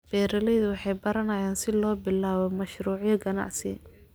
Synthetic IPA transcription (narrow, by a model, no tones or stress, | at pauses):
b̥ɛːɾɐlɛjðʊwɑħɑjbɐɾɐnɐjaːnsɪlɔːbɪlaːβɔmɐʃruːʕjɐɡɐnɑ̰ʕsɪ̰